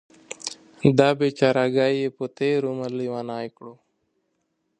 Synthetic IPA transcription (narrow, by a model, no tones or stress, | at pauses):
d̪abet͡ʃaɾaɡaːjepot̪eːɾuməliwanaːikɽoː